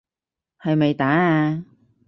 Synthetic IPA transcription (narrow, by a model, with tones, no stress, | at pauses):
hɐ˨jme˨˩jt̪aː˨˥aː˧